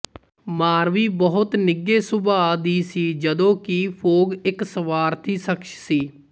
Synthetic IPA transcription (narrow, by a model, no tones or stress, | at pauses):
maːɾʋiːbəɦʊt̪nɪɡːeːsʊbaːd̪iːsiːd͡ʒəd̪õːkipʰoːɡɪksəʋaːɾt̪ʰiːsəkʃsiː